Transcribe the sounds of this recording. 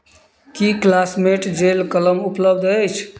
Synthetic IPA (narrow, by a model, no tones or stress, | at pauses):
kiklasmeʈd͡ʒelkələmupləbd̪əjt͡ʃʰ